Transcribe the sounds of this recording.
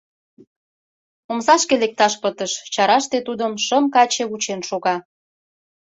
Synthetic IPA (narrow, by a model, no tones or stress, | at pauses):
omzɑʃkelek̚t̪ɑʃpət̪əʃt͡ɕɑɾɑʃt̪et̪ud̪əmʃəmkɑt͡ɕeut͡ɕenʃoɣɑ